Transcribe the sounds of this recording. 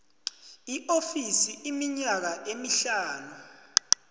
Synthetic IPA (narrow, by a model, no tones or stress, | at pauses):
iʔofisiimiɲak̬aʔemiɬaːnu